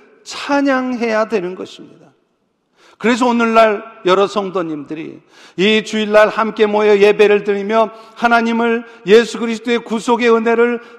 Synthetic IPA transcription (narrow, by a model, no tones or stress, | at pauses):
t͡ɕʰaɲaŋɦe̞jadwe̞nɯnɡʌɕʰimɲida | kɯɾe̞s̬ʰʌonɯɭːaɭjʌɾʌsʰʌŋdoɲimdɯɾḭ | it͡ɕuiɭːaɭhamk͈e̞moeʌje̞be̞ɾɯɭt̬ɯɾimjʌhanaɲimɯɭ | je̞sʰuɡɯɾisʰt͈oe̞kusʰoɡe̞ɯnɦe̞ɾɯɭ